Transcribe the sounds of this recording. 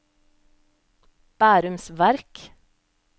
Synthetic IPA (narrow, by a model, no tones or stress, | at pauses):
b̥æːɾʉmsʋæɾk